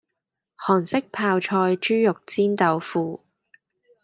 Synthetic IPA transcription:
hɔː˨˩nsɪ˥k̚pʰaː˧wt͡ʃʰɔː˧jt͡ʃyː˥jʊ˨k̚t͡siː˥nt̪ɐ˨˧wfuː˨˧

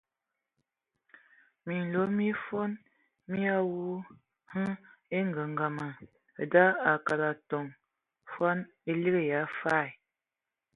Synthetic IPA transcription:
mi˨n̩˨lo˨˦mi˦fo˦n | mi˦a˦wu˦ | hə˦e˦ŋ˦ɡə˨ŋ˨ɡa˨ma˨ | da˦a˨ka˨ɾa˨to˨ŋ | fa˦n | e˦li˦ɣe˦˨ja˨˦fa˦˨j

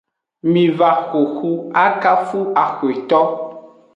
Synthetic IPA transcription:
mĩ˨va˨xo˨xu˦a˦ka˦fu˦a˨xo˨e˨t̪ɔ˦

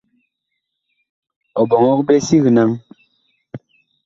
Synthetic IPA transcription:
ɔ˨bɔ˨ŋɔ˦k̚be˦si˦ɣi˨na˦ŋ

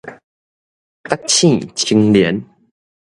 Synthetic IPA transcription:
t̪a˦k̚t͡ɕʰĩ˥˧˨t͡ɕʰi˧ŋlji˨˦n

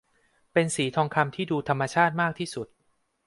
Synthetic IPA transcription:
pe˧nsiː˩˦t̪ʰɔː˧ŋkʰa˧mt̪ʰiː˥˩duː˧t̪ʰa˧mːa˧t͡ɕʰaː˥˩t̪̚maː˥˩k̚t̪ʰiː˥˩su˨˩t̪̚

